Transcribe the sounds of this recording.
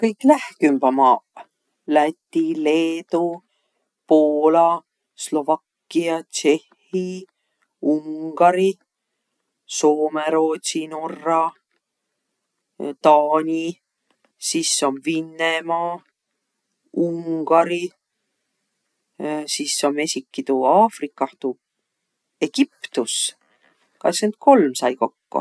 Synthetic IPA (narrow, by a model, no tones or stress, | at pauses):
kɤjkːlæhkymbɑmɑː | læt̪ʲːileːt̪u | poːlɑ | slo̞vɑkːiɑt͡ʃe̞hːi | uŋɡ̥ɑɾi | so̞ːmeɾoːt̪ʲsino̞rːɑ | t̪ɑːnʲi | sisːo̞nvinːemɑː | uŋɡ̥ɑɾi | sisːo̞nme̞sʲikːit̪uɑːfrikˑːɑht̪u | e̞ɡ̥ipt̪us | kɑ̰sent̪̚ko̞lmsɑjko̞kːṵ